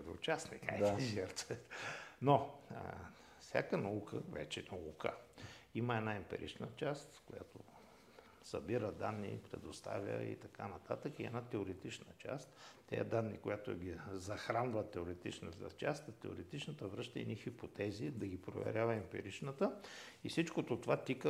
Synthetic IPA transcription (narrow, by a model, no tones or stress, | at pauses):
d̪ɛ̰ʊt͡ʃasnɛkaj̪izɛɾt̪səɛt̪no | fsʲa̰kənɐukʰəvɛt͡ʃɛnoukə̰iməɛnaɛmpɛ̰ɾʔḭt͡ʃnət͡ʃast̪kʊja̰t̪o̰ | sɐbiɾəd̪anːḭpɾɛ̰d̪ost̪a̰vʲə̰ḭt̪ɐkanɐt̪at̪əkiɛ̰nat̪ɛoɾɛt̪it͡ʃnət͡ʃa̰st̪ː | ɛ̰d̪anːḭkʊjat̪oɡizɐxɾanvət̪ːɛoɾɛt̪it͡ʃnət̪ə̰t͡ʃast̪t̪ɛo̰ɾɛt̪it͡ʃnət̪əvɾɤʃt̪əinixipot̪ɛzid̪ɐɡipɾo̰vɛ̰ɾʲjavəɛmpɛ̰ɾit͡ʃnət̪əifsit͡ʃkot̪ot̪ovat̪ikə